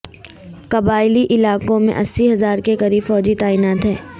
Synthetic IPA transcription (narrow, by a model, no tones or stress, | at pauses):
kɐbaːɪliʔɪlaːkõmḛ̃ʔɐsːiɦɐzaːɾkekɐɾiːbfɔːd͡ʒit̪aːiːnaːt̪ɦɛː